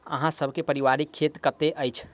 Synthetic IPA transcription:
ə̰ɦãsəbʱkepəɾiʋaɾikʰːet̪kət̪eʔəjt͡ʃʰ

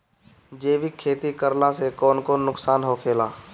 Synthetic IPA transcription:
d͡ʒeːʋikʰːeːt̪ikəɾlãsekɔːnkonʊksaːnɦokʰeːlaː

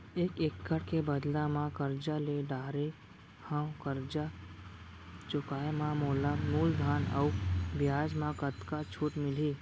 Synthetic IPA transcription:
eːkekːəɽkebəd̪lamãkəɾd͡ʒaleɖaːɾe | hãkəɾd͡ʒa | t͡ʃʊkaːemãmoːlamuːld̪ʱaːnə̰ubjaːd͡ʒmãkət̪kat͡ʃʰuːʈmɪliː

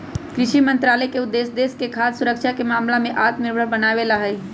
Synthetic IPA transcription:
kɾɪʃimɐ̃nt̪ɾaːləjkeʊd̪ːeːsd̪eːskekʰaːd̪sʊɾəkʃakemaːmlamẽʔaːt̪mɪɾbʱəɾbɐnaːʋeːlaɦɛ

